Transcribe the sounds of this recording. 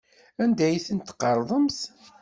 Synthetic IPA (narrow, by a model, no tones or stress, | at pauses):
ænd̪æjθənt̪ːqːɑɾˤðˤəms